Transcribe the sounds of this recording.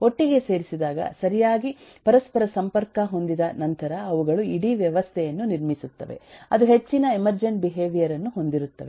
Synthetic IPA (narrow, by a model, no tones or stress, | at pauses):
o̞ʈːiɡe̞se̞ːɾisid̪aːɡɐ̰sɐɾijaːɡipɐɾɐspɐɾɐsɐmpɐɾkɐɦo̞nd̪id̪ɐnɐnt̪ɐɾɐːʋuɡɐɭuiɽiʋjɐʋɐst̪ʰɛjɐnːuniɾmisut̪ːɐ̰ʋḛɐd̪uɦe̞t͡ʃːinɐemɐɾd͡ʒɐnbiɦe̞ːʋijɐɾɐnːuɦo̞nd̪iɾut̪ːɐʋe